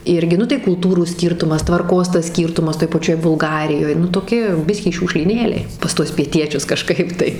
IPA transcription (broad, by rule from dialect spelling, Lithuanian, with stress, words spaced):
ˈɪrʲɡʲɪ ˈnʊ tɐɪ kʊlˠˈtuːruː ˈsʲkʲiːrtʊmɐs tʋɐrˈkoːs tɐs ˈsʲkʲiːrtʊmɐs toːj pɐˈt͡ʃʲoːj bʊlˠˈɡɑːrʲɪjoːj nʊ toːˈkʲɪ ˈbʲɪsʲkʲiː ʃʲuːkʃʲlʲiːˈnʲeːlʲɛɪ pɐs ˈtuɔs pʲiɛˈtʲiɛt͡ʃʲʊs kɐˈʃkɐɪp tɐɪ